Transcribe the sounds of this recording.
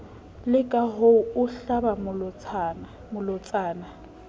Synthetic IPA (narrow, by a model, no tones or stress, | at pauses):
lɪkʼaɦoʊʊɬabamʊl | mʊlʊt͡sʼaːna